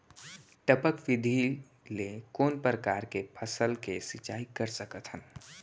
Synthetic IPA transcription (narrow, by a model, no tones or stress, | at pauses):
ʈəpəkʋɪd̪ʱi | lekoːnpɾəkaːɾkepʰəsəlkesɪt͡ʃaːikəɾsəkət̪ɦən